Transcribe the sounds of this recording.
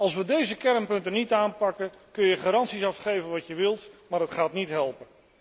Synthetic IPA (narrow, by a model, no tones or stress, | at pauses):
ɑlˠsʋədejzəkɛrnpɵntənitaːnpɑkəkɵnjəχaːɾɑntsisɑfχejvənʋɑtjəʋɪlˠtmaːɹətχaːtnitɦɛlˠpən